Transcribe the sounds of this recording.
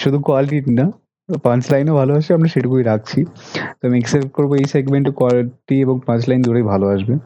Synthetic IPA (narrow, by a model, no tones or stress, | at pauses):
ʃud̪ʱukwaliʈiʈina | pãt͡ɕlajnobʱaloaʃbeamɾaʃeʈukuiɾak̚ʰt͡ɕʰit̪oamiɛksepʈ̚koɾboejseɡmeɳʈokwaliʈieboŋpãt͡ɕlajnd̪uɾejbʱaloaʃbe